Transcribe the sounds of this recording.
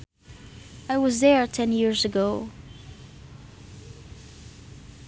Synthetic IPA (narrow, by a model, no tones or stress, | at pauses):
aɪwʌzðə˞tʰɛ̃njɪɹzəɡoʊ